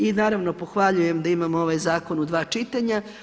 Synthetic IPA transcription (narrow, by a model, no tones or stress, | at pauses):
inaːɾaʋno̞po̞xʋaʎujemd̪aimamoʋajzaːko̞nud̪ʋaːt͡ʃit̪aɲa